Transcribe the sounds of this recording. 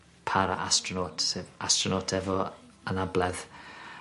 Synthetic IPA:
pʰaɾa̰ʔa̰strɔnoːtʰseːðastrɔnoːtʰɛvɔənablˠɛð

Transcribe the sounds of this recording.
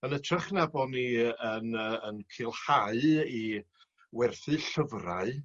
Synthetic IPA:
ənətʰraχnabɔniənəənkʰɪlˠhaɨi | wɛrθɨɬəvraɨ

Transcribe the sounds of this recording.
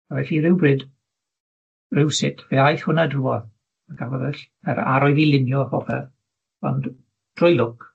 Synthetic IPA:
aɛɬiːɾɪwbrɪd | rɪwsɪtʰvɛːajθhʊnadruɔð | əɡʰavɔðɛɬ | ɛɾa̰ɾɔɨðilˠɪnjɔahɔvɛv | ɔ̰nd | d̥rʊjlˠʊk

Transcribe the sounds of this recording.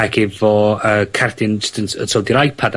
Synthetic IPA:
aɡɪvɔəːkʰardɪnsdənəsʰɔːdiɾajpʰad

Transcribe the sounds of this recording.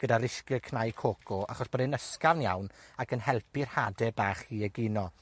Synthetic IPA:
ɡ̥ədaɾɪʃkɨkʰnajkʰokʰɔa̰χɔsb̥ɔdɛnəskavnja̰wnakʰənɦɛlˠpʰɪrhadɛbaːχhiːɛɡɪnɔ

